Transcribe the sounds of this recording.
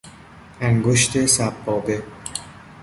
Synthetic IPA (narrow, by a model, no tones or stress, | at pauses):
æŋɡoʃt̪ʰe̞sæbːɒːbe̞